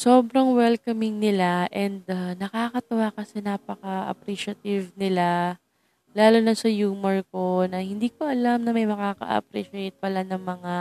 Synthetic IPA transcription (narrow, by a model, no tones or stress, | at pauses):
soːbɾɐŋwɛlkɐmɪŋnɪlaʔɛnd̪̚anɐkaːkɐt̪ɐwaːkɐsɛnaːpɐkɐʔɐ̰pɾiːʃɐt̪ɪvnɪla | laːlonɐsɐjuːmɛɹko̞nɐhɪnd̪iːkoʔɐlamnɐmɐjmɐkaːkɐ̰ʔɐ̰pɾiːʃɛjt̪̚pɐlanɐŋmɐŋa